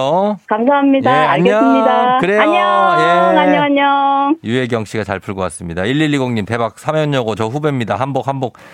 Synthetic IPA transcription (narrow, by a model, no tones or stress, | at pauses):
okams̬ʰaɦamɲijdaaɭɲɡes͈mɲidakɯɾeaɲʌjeŋaɲʌaɲʌjue̞ɡjʌŋɕ͈ʰiɡat͡ɕaɭpʰuɭɡowas͈ɯmɲidaiɭːiʎːiɡoŋɲimte̞bak̚sʰamjʌɲʌɡot͡ɕʌɸube̞mɲidahanbok̚hanbok̚